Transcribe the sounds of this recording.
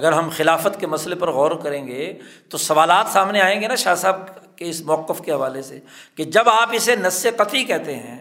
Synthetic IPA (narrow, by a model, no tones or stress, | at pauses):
ɐɡəɾɦɐmxɪlaːfət̪kemɐslepɐɾɣɔːɾkɐɾẽːŋɡet̪osɐʋaːlaːt̪saːmneaːẽːŋɡenaʃaːsaːb̚keɪsmʊɐqːəfkeɦɐʋaːleseked͡ʒɐbaːpɪsenɐsːeqɐt̪ikɛɦt̪eɦɛ̰̃ː